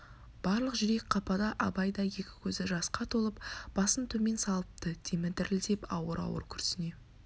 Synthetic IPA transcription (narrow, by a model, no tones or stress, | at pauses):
b̥ɑɾlˠəqʒʏɾe̞kqʰɑpɑd̪ɑʔɑbɑjd̪ɑje̞kʲɪ̥kʲʰɵzɪʒɑsqɑt̪ʰolˠəpb̥ɑsənt̪ʰɵme̞nsɑlˠəp̚t̪ət̪ʲʰemɪd̪ɪɾɪlt̪e̞pɑ̰wəɾɑ̰wə̰ɾkʲʰʏɾsɪne̞